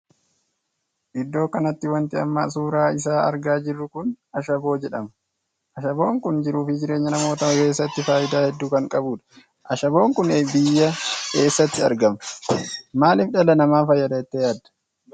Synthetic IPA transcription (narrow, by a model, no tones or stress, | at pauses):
ʔɪd̪ːo̞ːkɐnɐt̪ːɪwɐnt̪ɪɐ̰mːa̰ːsuːɾaːɪs̬aːɐ̰ɾɡaːd͡ʒɪrːʊkʊn | ɐʃɐbo̞ːd͡ʒɛᶑɐmɐ | ʔɐʃɐbo̞ːŋkʊnd͡ʒɪɾuːfɪd͡ʒɪɾe̞ːɲːɐnɐmo̞ːt̪ɐke̞ːsːɐt̪ːɪfaːʔɪd̪aːhɛd̪ːuːkɐŋkʼɐbuːᶑɐ̥ | ʔɐʃɐbo̞ːŋkʊneːbɪjːɐke̞ːsːɐt̪ːɪɐ̰ɾɡɐmɐ̥maːlɪfᶑɐlɐnɐmaːfɐjːɐd̪ɐɛt̪ːejaːd̪ːɐ̥